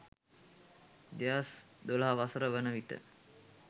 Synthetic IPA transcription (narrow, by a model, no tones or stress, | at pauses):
d̪ejasd̪olaɦaʋasəɾəʋənəʋit̪ə̰